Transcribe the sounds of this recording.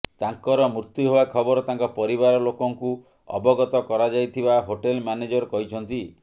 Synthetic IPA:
t̪aŋkɔɾɔmuɾt̪juɦewakʰɔbɔɾɔt̪aŋkɔpɔɾibaɾɔlokɔŋku | ɔ̰bɔɡɔt̪ɔkɔɾad͡ʒajt̪ʰibaɦoʈelmaned͡ʒɔɾkɔɦit͡ʃʰɔnt̪i

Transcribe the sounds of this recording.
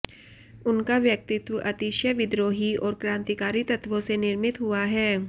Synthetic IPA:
ʊnkaʋjɐk̚t̪ɪt̪ʋəʔɐt̪iːʃjəʋɪd̪ɾoːɦiɔːɾkɾãːnt̪ikaːɾit̪ɐt̪ʋõsenɪɾmɪt̪ɦʊaɦɛː

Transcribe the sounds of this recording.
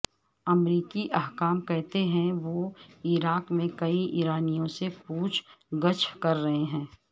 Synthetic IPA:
ɐmɾiːkiʔɐɦkaːmkɛɦt̪eɦɛ̃ʋoːiːɾaːkmẽkɐiʔiːɾaːnijõsepuːt͡ʃʰɡɐt͡ʃʰkɐɾːɐɦeɦɛ̃ː

